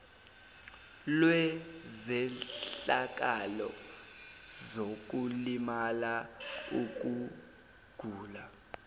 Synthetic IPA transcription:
lwɛzɛɬɬak̬ʼalɔ̰ | zok̬ʼulimalauk̬ʼu | ɡ̥ʱuːla

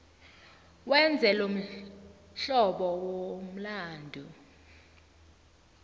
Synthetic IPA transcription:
wɛnd͡zʱɛlom̩ | ɬɔɓɔwom̩laːndʱu

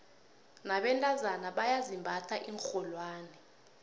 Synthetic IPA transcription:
naɓɛntʼazanaɓajazimbʱatʰaʔiŋk͡xɔlwaːnɛ

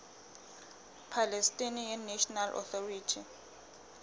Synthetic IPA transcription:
pʰalɛstʼinijanːeʃɔnalʔɔ̰θɔriːtʰi

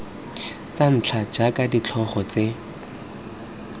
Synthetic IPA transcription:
t͡san̩t͡ɬʰad͡ʒakʼadit͡ɬʰɔχɔt͡se

